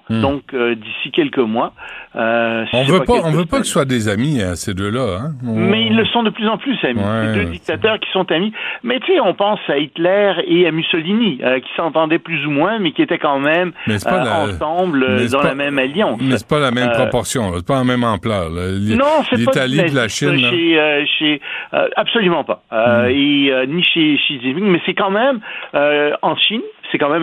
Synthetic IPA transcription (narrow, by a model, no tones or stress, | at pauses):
d̪ɔ̃kød̪isikʲɛlkəmwaøsɔ̃sɛvøpapaɔ̃vøpakəsəswad̪ezamiased̪øːlaɛ̃mɛilːəsɔ̃d̪əplyzɑ̃plysamiɛed̪ød̪ik̚t̪at̪œʁkʲi̥sɔ̃t̪amimɛt̪seɔ̃pɑ̃sait̪lɛʁeamysɔliniøkʲi̥sɑ̃t̪ɑ̃d̪ɛplyzumwɛ̃mɛkʲiet̪ɛkɑ̃mɛmmɛsɛaɑ̃ɑ̃blød̪ɑ̃lamɛmaljɑ̃smɛsɛ̥palamɛmpʁɔpɔʁsjɔ̃sɛpãmɛmɑ̃plœllinɔ̃sɛipat̪aliɛlaʃinʃeøʃeø̰apsolymɑ̃paøeøniʃeʃizimiŋmɛsɛkɑ̃mɛmøɑ̃ʃinsɛkɑ̃mɛ̃m